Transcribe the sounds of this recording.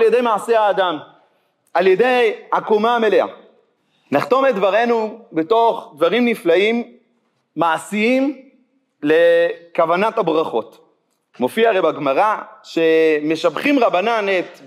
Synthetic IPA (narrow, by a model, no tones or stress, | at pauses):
ljede̞jmaasehaːd̪am | aljede̞jakomame̞lea̰ | naχt̪o̞med̪vaʁe̞nubeto̞χd̪vaʁimniflaimː | aasiim | le̞kavanathabʁaχo̞t | mo̞fiaʁejbaɡmaʁaʃe̞me̞ʃabχimʁabananet̪